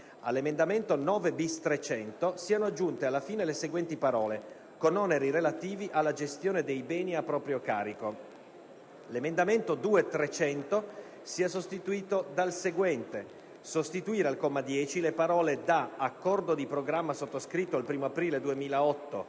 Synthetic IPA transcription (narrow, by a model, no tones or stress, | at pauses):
a̰lːemend̪ament̪onɔːvebist̪ɾet͡ʃɛnt̪osiːanoad͡ʒːunt̪ealːafiːneleseɡwɛnt̪ipaɾɔːle | konɔneɾiɾelat̪iːviʔalːad͡ʒest̪joːned̪ejbɛːniapːɾɔːpɾjokaːɾiko | lemend̪ament̪od̪uːet̪ɾet͡ʃɛnt̪o | siːas̬ost̪it̪uiːt̪od̪alseɡwɛnt̪e | sost̪it̪uiːɾealkɔmːad̪jɛːt͡ʃilepaɾɔːled̪aːkːɔrd̪od̪ipɾoɡɾamːasot̪ːoskɾit̪ːoalpɾiːmoapɾiːled̪uemiːlaɔt̪ːo